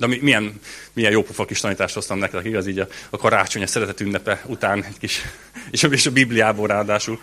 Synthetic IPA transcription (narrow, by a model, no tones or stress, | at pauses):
d̪ɛmimijɛnmijɛjoːpufɒkiʃt̪ɒniːt̪aːʃt̪ho̞st̪ɒmnɛkɛlɛkiɡɒziːɟɒɒkɒɾaːt͡ʃo̞ɲɒsɛɾɛt̪ɛt̪ynːɛpɛut̪aːnɛɟkiʃ | eʃɒeʃɒbiblijaːboːɾaːɒd̪aːʃul